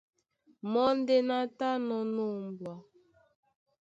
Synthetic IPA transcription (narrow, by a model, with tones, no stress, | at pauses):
mɔ˦n˦de˦na˦ta˦nɔ˨no˦˨m˨bwa˨